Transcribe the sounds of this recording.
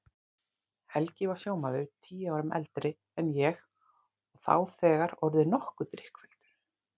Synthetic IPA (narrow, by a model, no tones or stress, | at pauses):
hɛlcɪvawsjoːwmaðʏt̪ʰiːjaːwɾʏmʔɛ̰lt̪ɾɪ | ɛnjɛɣ | ɔɣθa̰wθɛːɣaɾɔɾðʏnɔhkʏt̪ɾɪhkvɛlt̪ʏ̥ɾ̥